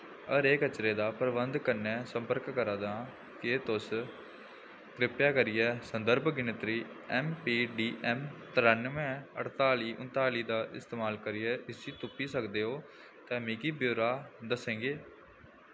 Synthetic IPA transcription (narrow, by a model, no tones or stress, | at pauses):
əɾeːkət͡ʃɾeːd̪aːpəɾbənd̪kəɾnɛ̃ːsəmpəɾkːəɾaːd̪ãː | kɪːt̪ʊs | kɾɪpjaːkəɾɪjɛːsənd̪əɾbʱɡɪnɪt̪ɾiː | ɛːmpiːɖiːʔɛːmt̪əɾənmɛ̃ːə̰ʈt̪aːliːʔʊ̰̃nt̪aːliːd̪aːʔɪst̪eːmaːlkəɾiːɛːʔɪsiːt̪ʊpiːsəkd̪eːɦoː | t̪ɛ̃ːmĩːkiːbjoːɾaːd̪əsẽːŋɡeː